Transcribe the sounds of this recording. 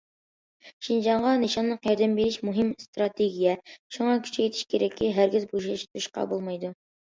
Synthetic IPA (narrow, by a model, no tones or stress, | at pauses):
ʃind͡ʒɑɴʁɑniʃɑnlːˠəqjɑɾd̪ɛmbeɾɪʃmuɦimst̪ɾɑt̪ʰeɡʲijɛʃuɴɑkʲʰy̥ʃɛket̪ʰɪ̥ʃkʲʰeɾɛkʲːɪɦæɾɡʲɪzbuʃɑʃt̪ʰuʃqɑ̰bolˠmɑjd̪u